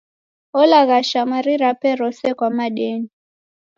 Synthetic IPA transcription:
ɔlaɣaʃamaɾiɾapɛɾɔsɛkwamaɗɛni

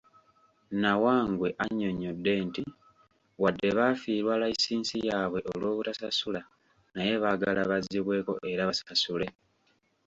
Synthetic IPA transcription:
nawaːŋɡwe̞ʔaɲːo̞ɲodːe̞ːnti | wadːe̞βaːfiːɾwaːlajisiːnsijaːβwe̞ʔolwo̞ːβutasasula | naje̞βaɡalaβaziβwe̞ːko̞̰ʔe̞ɾaβasasule̞

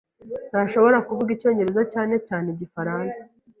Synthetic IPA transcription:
naʃo̞βo̞ɾakuvuɡico̞ːɲɟe̞ɾe̞zocaːne̞caːneɟifaɾaːnsḁ

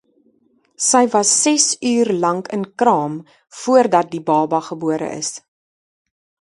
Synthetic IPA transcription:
səjvɐsːɛsyːrlɐŋkənkrɑːm | fuərdɐt̚dibɑːbɐχəbuəɾə̰ʔə̰s

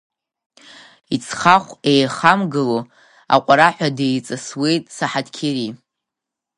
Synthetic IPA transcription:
it͡sʰχaχʷejχamɡɨlo | a̰qʷʼaɾaħʷᶣadejt͡sʼaswe̞jtʼsaħadkʲʰeɾi

